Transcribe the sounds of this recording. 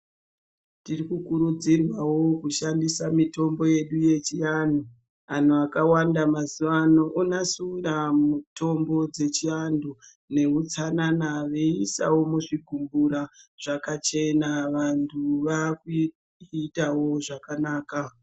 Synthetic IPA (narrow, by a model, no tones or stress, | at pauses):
tirikukuɾud͡zirwawo̞kuʃandisamito̞mbo̞je̞ɗuje̞t͡ʃijan̤u | an̤uakawandamazuʋanoʔunasuwiramuto̞mbo̞d͡ze̞t͡ʃiandu | ne̞ut͡sananaʋeisa̰wo̞muʐiɡʱumbuɾaʐ̥akat͡ʃe̞naʋantʰuʋaku | itawo̞ʐakanaːka